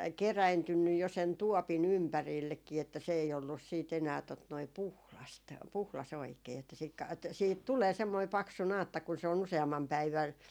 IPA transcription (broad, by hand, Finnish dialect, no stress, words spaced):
keræintynːyj jo sen tuopin ympærilːekːiː etːæ se ei olːus siːt enæː tot noi puhlɑst puhlɑs oikeː etːæ siːk kɑ et siːhit tuleː semːoi pɑksu nɑːtːɑ kun se on useɑmːɑm pæiʋæn